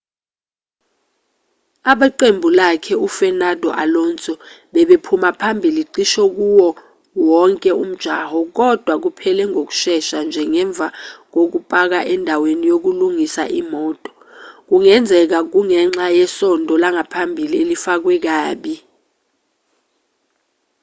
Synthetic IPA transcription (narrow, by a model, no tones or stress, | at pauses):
aɓaǃembʱulakʰɛufɛnad̥ʱɔʔalɔnt͡sʼɔ | ɓɛɓepʰumapʰambʱiliǀiʃɔk̬uwɔ | wɔŋkʼɛum̩d̥ʒ̥ʱahɔk̬ɔd̥ʱwak̬upʰɛlɛŋok̬u̥ʃɛʃand͡ʒʱɛŋɛɱb̪vʱak̬ok̬upʼak̬aʔɛndʱawenijok̬uluŋisaʔimɔːtʼɔ̥ | k̬uŋɛnd͡zʱɛk̬ak̬uŋɛŋ͡ǁajɛsɔndʱɔlaŋapʰambʱilielifak̬wɛk̬aːɓi